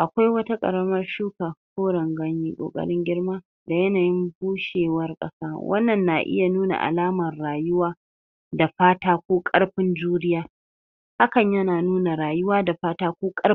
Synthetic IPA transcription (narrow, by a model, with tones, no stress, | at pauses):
ʔa˨kʷa˦jwɐ˦ta˦kʼɐ̰˨ɾɐ˦mɐ˦rʃuː˦kaː˨kʷoː˦ɽɐ˨ŋɡɐ˦ɲjiː˦kʷʼo̰ː˨kʼɐ̰˦ɽɪ˦ŋɡʲɪ˦ɽmaː˦ | da˨jɐ˦naː˨jɪ˦mbuː˦ʃeː˨wɐ˦rkʼɐ̰˦saː˦wʔɐ̰˦nːɐ˨nːaː˨ʔɪ̰˦ja˨nuː˦na̰˨ʔa̰˨laː˦mɐ˨rɽaː˨jʊ˦waː˦ | da˨ɸaː˦taː˦kʷoː˦kʼɐ˦ɽɸɪ˦nd͡ʒuː˦ɾɪ˦jaː˦ | ha˦kɐ˨ɲjɐ˦naː˨nuː˦na˨ɾaː˨jʊ˦waː˦da˨ɸaː˦taː˦kʷoː˦kʼɐ˦